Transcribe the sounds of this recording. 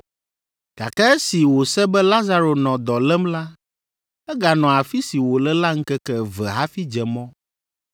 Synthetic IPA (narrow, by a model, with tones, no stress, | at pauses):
ɡ̥a̰˨kɛ˦ɛ˦si˨wo˨sɛ˦bɛ˦la˦za˦ɾo˨nɔ̃˨d̪ɔ˨lɛ˦mla˦ | ɛ˦ɡa˨nɔ̃˨a˨fi˦si˨wo˨lɛ˦la˦ŋ̩˦kɛ˦kɛ˦vɛ˨ɦa˦fi˦d͡ʒɛ˨mɔ̃˦